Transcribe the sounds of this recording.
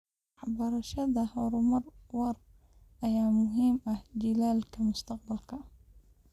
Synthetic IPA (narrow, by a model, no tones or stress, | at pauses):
ɑħbɐɾɐʃɐðɐhɔːɾʊmɐrwɑr | ʔɐjaːmʊɦiːmɐhd͡ʒɪlaːlkʰɐmʊst̪ʰɑq̚bɐlkʰɐ